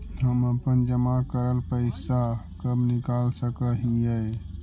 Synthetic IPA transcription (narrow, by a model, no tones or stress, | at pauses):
ɦəməpənd͡ʒəmakəɾəlpəɪsakəbnɪkaːlsəkəɦiəe